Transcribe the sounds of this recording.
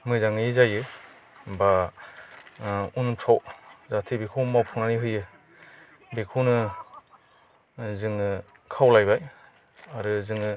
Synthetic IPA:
mɯzaŋɯizajɯ | ba | unpʰawzatʰibekʰuwmawpʰuŋnaniɦɯjɯ | bekʰuwnɯ | zɯŋɯ | kʰawlajbaj | aɾɯzɯŋɯ

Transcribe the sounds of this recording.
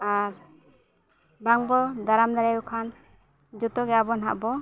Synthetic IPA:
aɾ | baŋbɔd̪aɾamd̪aɾajɔkʰan | d͡ʒut̪ɔɡɛabɔnɦa̰ʔbɔ

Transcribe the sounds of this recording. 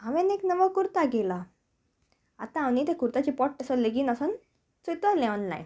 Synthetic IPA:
aʋɛ̃neknəʋəkuɾt̪aɡela | a̰t̪ãaʋnit̪ekuɾt̪at͡ɕipɔʈ̚t̪əsɔleɡiːnasən | t͡sujt̪ɔlɛ̃ɔnla̰j̰

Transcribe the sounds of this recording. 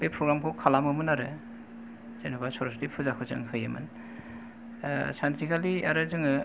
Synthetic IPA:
bepʰɾuɡɾamkʰɔkʰalamɯmunaɾɯ̰ | zenabasɔɾɔstipʰuzakʰɯzɯ̰ŋkʰɯjɯmɯ̰n | sant̪ɾikʰalia̰ɾɯzɯŋɯ

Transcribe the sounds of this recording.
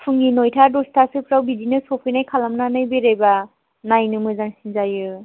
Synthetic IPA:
pʰɯŋinɔjtʰadɔstʰasɯpɾawbidinɯsɔpʰɯjnajkʰalamnanɯjbeɾajba | najnɯmɯzaŋsinzajɯ

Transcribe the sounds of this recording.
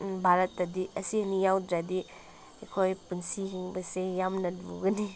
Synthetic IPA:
bʱaɾɐtːɐdiɐsiɐnijawdɾadi | ekʰojpunsiɦiŋbɐsejamnɐdbṵɡɐni

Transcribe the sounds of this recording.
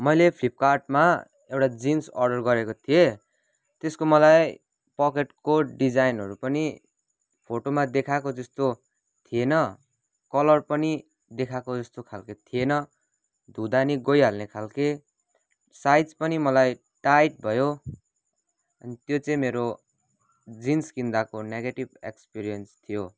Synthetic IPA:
mʌjlepʰlip̚karʈma | ewʈad͡zinsʌrɖʌrɡʌɾekot̪ʰije | t̪eskomʌlaj | pʌkeʈkoɖid͡zajnɦʌɾupʌni | pʰoʈomad̪ekʰakod͡zʌst̪o | t̪ʰijenʌ | kʌlʌrpʌni | d̪ekʰakod͡zʌst̪okʰalket̪ʰienʌ | d̪ʱud̪aniɡʌjɦalnekʰalke | sajt͡spʌnimʌlaj | ʈajʈ̚bʱʌjo | ʌnit̪jot͡sʌĩmeɾo | d͡zinskind̪akoneɡeʈibḛkspiɾijʌnst̪ʰijo

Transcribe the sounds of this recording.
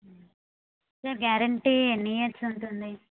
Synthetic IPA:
sɐɾɡjaːɾɐɳʈieniːjɐʈsuɳʈund̪i

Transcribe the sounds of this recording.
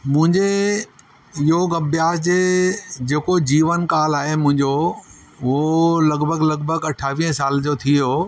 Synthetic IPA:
mʊ̃ɦɪ̃ɲd͡ʑe | ɪɦoɡɐbʱjaːsd͡ʑeːd͡ʑeːkod͡ʑiːʋənkaːlaːɦemʊ̃ɦɪ̃ɲd͡ʑo | ʊɦolɐɡbʱəɡlɐɡbʱəɡɐʈʰaːʋiːə̃saːld͡ʑoːt̪ʰijo

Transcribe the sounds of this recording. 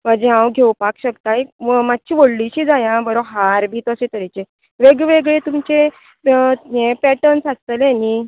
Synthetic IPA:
mad͡ʑẽɦãwɡʱewpakɕəkt̪ajmat̪̚t͡ɕiːʋəɽliɕiːd͡zajãbəɾoɦaɾbʱiːt̪əsẽt̪əɾet͡ɕe | ʋeɡʋeɡɭet̪umt͡ɕe | ẽpɛʈənsast̪əleni

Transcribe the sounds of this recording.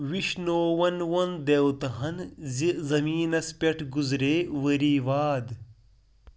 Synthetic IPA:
ʋiʃnoːʋɐnʋɐnd̪ewt̪ɐɦɐnzizɐmiːnɐspʲɐʈʰɡuzɾeːʋɐɾiːʋaːd̪

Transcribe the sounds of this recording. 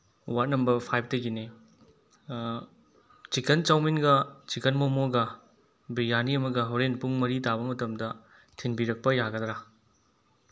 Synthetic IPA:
wat̚nɐmbɐɾpʰajp̚tɐɡine | t͡ʃikent͡ʃawminɡɐt͡ʃikɐnmomoɡɐ | bijaniɐmɐɡɐɦowɾenpuŋmɐɾitabɐmɐtɐmdɐ | tʰinbiɾɐk̚pɐjaɡɐdɾa

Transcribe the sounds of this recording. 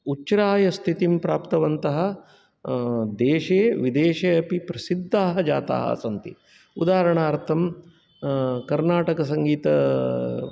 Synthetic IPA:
ut͡ʃːɾaːjɐst̪ʰit̪impɾaːpt̪ɐʋɐnt̪ɐɦɐ̆ | d̪eːʂeːʋid̪eːʃeːɐpipɾɐsid̪ːaːɦɐd͡ʒa̰ːt̪a̰ːɦɐ̰ɐ̰sɐnt̪ḭ | ṵd̪aːɾɐɳaːɾt̪ʰɐm | kɐɾnaːʈɐkɐs̬ɐŋɡiːt̪ɐ

